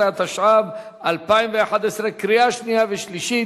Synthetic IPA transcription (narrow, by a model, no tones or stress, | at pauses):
eat̪aʃʕab | ʔalpaimveaħad̪esɾekɾijaʃnijaveʃliʃi